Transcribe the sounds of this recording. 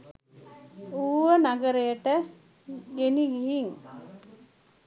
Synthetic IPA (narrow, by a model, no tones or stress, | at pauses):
uːʋənaɡəɾəjəʈə | ɡeniɡiɦiŋ